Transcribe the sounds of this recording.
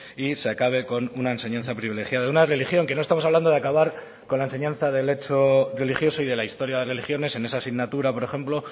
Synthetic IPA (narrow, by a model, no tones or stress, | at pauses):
iseakaβ̞e̞ko̞nunae̞nse̞ɲãnθapɾiβilexjaðaðunare̞lixjo̞ŋke̞no̞st̪amosaβland̪oðeakaβ̞aɾ | ko̞nlaense̞ɲãn̟θaðe̞le̞t͡ʃo̞re̞lixjo̞so̞iðe̞laist̪o̞ɾjaðere̞lixjo̞ne̞se̞ne̞sasiɣnat̪uɾapo̞ɾe̞xe̞mplo̞